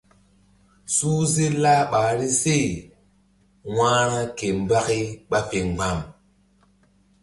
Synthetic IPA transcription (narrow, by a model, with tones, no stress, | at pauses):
suː˦ze˦laː˦ɓaː˨ɾi˦se˦˨ | wãː˦ɾa˦ke˨m˨ba˦ki˦ɓa˦fe˨ŋ͡mɡ͡ba˨m